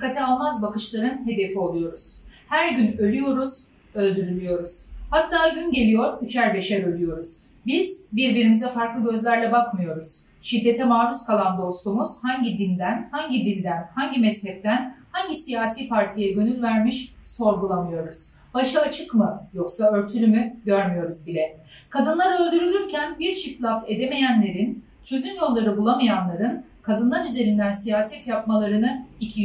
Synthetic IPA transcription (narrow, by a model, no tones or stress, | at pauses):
dkːat̪ʰɛalˠmazbakɯʃlˠaɾɯnɦe̞d̪e̞fio̞lˠujo̞ɾuz̥hæɾɟynø̞lʲyjo̞ɾuz̥ | ø̞lʲd̪yɾylʲyjo̞ɾuz̥hat̪ʰːaːɟynɟe̞lʲijo̞ɾyt͡ʃʰæɾbe̞ʃɛɾø̞lʲˠyjo̞ɾuz̥ | biz̥biɾbiɾimizɛfaɾklˠɯɟø̞zlʲæɾlʲɛbakmɯjo̞ɾuz̥ | ʃid̪ːe̞t̪ʰɛmaːɾuskʰalˠand̪o̞st̪umuz̥haɲɟid̪ind̪ænhaɲɟid̪inʲd̪ænhaɲɟimɛslɛp̚t̪ʰænhaɲɟisijaːsiːpʰaɾt̪ʰijɛɟønylʲvæɾmiʃso̞ɾɡulˠamɯjo̞ɾuz̥ | baʃɯat͡ʃʰɯkmɯjo̞ksaø̞ɾt̪ʰylʲymyɟøɾmyjo̞ɾuzbilʲɛ | kʰad̪ɯnlˠaɾø̞lʲd̪yɾylʲyɾcʰænbiɾt͡ʃʰift̪lʲˠafe̞d̪eme̞jænlʲe̞ɾin | t͡ʃʰø̞zynjo̞lˠːaɾɯbulˠamajanlˠaɾɯn | kʰad̪ɯnlˠaɾyze̞ɾind̪ænsijaːsɛt̪japmalˠaɾɯnɯicʰi